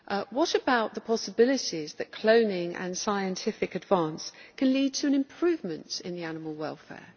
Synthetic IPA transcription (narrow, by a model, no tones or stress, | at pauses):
ʔwɒtəbaʊʔðəpʰɒsəbɪlɪtizðəʔkʰl̥ə̃ʊ̃nɪ̃ŋʔə̰̃nsaɪə̃ntʰɪfɪkədvɑ̃ˑnskʰə̃nliːd̚tʰəə̃nɪ̃mpʰɹ̥ʉːvmə̃ntɪ̰̃nðianɪməlˠwɛlˠfɛ̰ː